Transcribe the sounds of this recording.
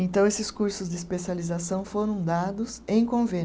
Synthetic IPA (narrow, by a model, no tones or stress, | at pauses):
ẽnt̪ɐ̃w̃esɪskuɾsʊzd͡ʒ̪ɪːspesializasɐ̃w̃foɾɐ̃w̃d̪ad̪ʊsẽj̃kõvẽ